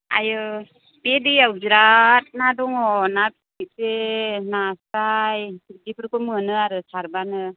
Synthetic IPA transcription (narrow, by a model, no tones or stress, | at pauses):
a̰jɯ | pediawziɾat̚nadɔŋɔnapʰ | isenasɾajdipʰɯɾkɯmɯnɯaɾɯsaɾbanɯ